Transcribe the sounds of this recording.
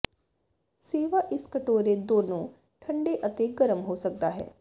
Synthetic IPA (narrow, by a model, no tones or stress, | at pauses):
seːʋaːʔɪskəʈoːɾeːd̪oːnõː | ʈʰə̃ɳɖeːʔət̪eːɡəɾəmɦoːsək̚d̪aːɦɛ̰ː